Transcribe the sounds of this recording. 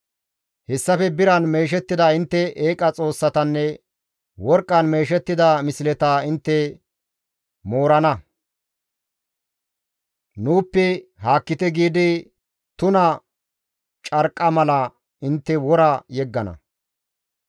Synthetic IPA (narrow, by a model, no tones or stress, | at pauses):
hɛsːɐfɛbɪɾɐnme̞ːʃ̬ɛt̪ːɪd̪ɐɪnt̪ːɛʔeːkʼɐt͡sʼo̞ːsːɐt̪ɐnːɛ | wɔɾkʼːɐnme̞ːʃ̬ɛt̪ːɪd̪ɐmɪsɪlɛt̪aɪnt̪ːɛ | moːɾɐnɐ | nuːpːɛhaːkːɪt̪ɛɡiːd̪ɪ | t̪ʊnɐ | t͡ʃʼɐɾkʼːɐmɐlɐ | ɪnt̪ːɛwɔɾɐjɛɡːɐnɐ̰